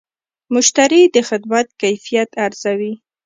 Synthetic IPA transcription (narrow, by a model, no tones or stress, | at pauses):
mʊʃt̪aɾid̪əxɪd̪̚mat̪̚kajfijat̪aɾz̥awi